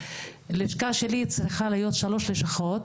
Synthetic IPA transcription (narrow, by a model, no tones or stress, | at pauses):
leʃkaʃelit͡sɾiχalijo̞t̪ʃaloʃleʃaχot̪̚